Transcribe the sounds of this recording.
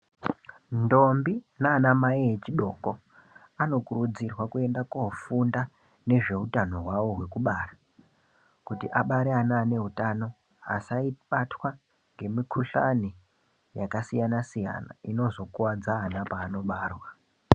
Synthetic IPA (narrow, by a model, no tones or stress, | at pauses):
ndo̞mbinaːnamaiet͡ʃiɗo̞ko̞ | ano̞kuɾud͡zirwakue̞ndakofunda | ne̞ʐe̞ɦutano̞ɦwawo̞ɦwe̞kuɓara | kutiʔaɓaɾeanaːne̞ɦutano̞ | a̰saiɓatwa | ŋɡe̞mikʰuɬani | jakasijanasija̰na̰ino̞zo̞kuwad͡zaːnapaːno̞ɓaːrwa